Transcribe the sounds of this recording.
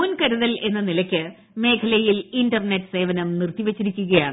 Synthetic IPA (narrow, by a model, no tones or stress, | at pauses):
uːnkɐɾuðɐle̞nːɐnilɐkʲːɨ | me̞ːkʰɐlɐjilindɐrneʈːɨ̥se̞ːʋɐnɐmnirt̪iʋet͡ɕːiɾikʲːuɣɐjaːɳɨ